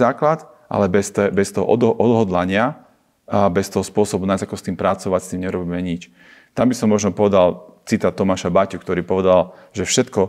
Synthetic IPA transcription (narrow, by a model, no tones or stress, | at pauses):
aːklat̪ | ʔa̰lɛbɛst̪ɛbɛst̪ɔɦɔ̰ʔɔd̪ʔɔd̪ɦɔd̪laɲɪa | bɛst̪ɔɦɔspʊɔsɔbunazakɔst̪iːmpɾat͡sɔʋacst̪iːmɲɛuɾɔbiːmɛɲit͡ʃ | t̪ambisɔmːɔʒnɔpɔʋɛd̪alt͡sit̪at̪ɔmaːʃabacukt̪ɔɾiːpɔʋɛd̪al | ʒɛfʃɛt̪kɔ